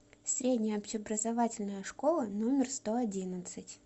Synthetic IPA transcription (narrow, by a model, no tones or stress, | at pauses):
sʲɾʲedʲnʲɪjəɐpɕɪɐbɾəzavatʲɪlʲnəjəʂko̞lˠənomʲɪrst̪o̞ɐdʲinət̪sɨtʲ